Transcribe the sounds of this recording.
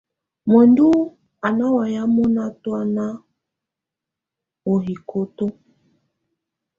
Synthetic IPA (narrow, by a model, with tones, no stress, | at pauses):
mɔ˨ndu˦ | a˨na˦wa˨ja˦mɔ˦na˦twa˦na˦ | o˨ɦi˨kʰo˨to˦